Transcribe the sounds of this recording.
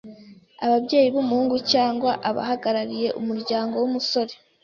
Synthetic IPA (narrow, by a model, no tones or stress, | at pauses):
aβabɟe̞ːjiβumuhuːŋɡucaːŋɡwaʔaβa̰haɡaɾaɾije̞ʔumuɾɟaːŋɡo̞wumuso̞ɾe̞